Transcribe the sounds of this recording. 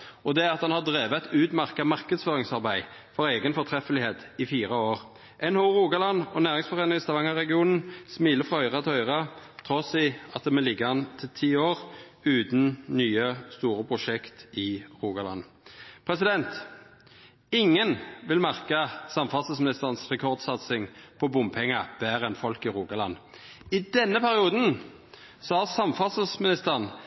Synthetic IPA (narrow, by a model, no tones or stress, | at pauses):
ɔd̪ɛæɾʁɑt̪hɑnhɑd̪ʁeːʋət̪ʉːt̪mæʁkɑmɑʁkəd̪sføːɾɪŋsɑʁbæɪ | fɔɾeːɡənfɔt̪ʰɾɛfəlɪheːt̪ɪfiːɾəoːʁ | ʔɛnhoːʁuːɡɑlɑnɔnæːʁɪŋsfɔʁeːnəɪst̪ɑʋɑŋəʁɛɡɪuːnn̩smiːləfʁɑœʏʁɑt̪ʰɛœʏʁɑt̪ʰɾɔsɪɑt̪̚d̪ɛmɛlɪɡːəhɑnt̪ʰɪlt̪ʰiːoːʁ | ʉːt̪n̩nyːəst̪uːɾəpʰʁʊʂɛkt̪ɪʁuːɡɑlɑ̰n | pʰʁɛsɪd̪ɛnt̪ | ɪŋːənʋɪlmæʁkəsɑmfɑsəsmɪnɪst̪əʁnsʁɛkʰɔʁd̪sɑt̪sɪŋpʰɔbʊmpʰɛŋːəbæːɾɛnfɔlkɪʁuːɡɑlɑ̰nː | ɪd̪ɛnːəpʰæʁɪuːd̪n̩ | sɔhɑʁsɑmfɑssmɪnɪst̪əʁn